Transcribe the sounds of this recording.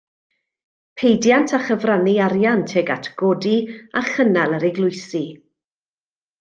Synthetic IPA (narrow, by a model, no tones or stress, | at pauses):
pʰejdjantʰaχəvraniaɾjantʰɛɡatʰɡ̥ɔdiaχənalˠəɾɪɡlˠʊɨsi